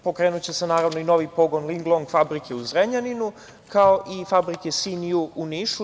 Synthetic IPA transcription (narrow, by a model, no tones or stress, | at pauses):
po̞kɾe̞ːnut͡ɕe̞se̞naːɾaʋnoino̞ʋipoɡo̞nliŋɡlˠoŋɡfabɾikʰe̞uzɾeɲaninu | kao̞ʔifabɾikesiniuuniʃu